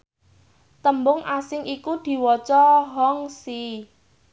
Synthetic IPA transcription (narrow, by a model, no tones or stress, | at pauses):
t̪əmbʊŋʔasɪŋʔikud̪̥i̤wɔt͡ʃɔɦɔŋsi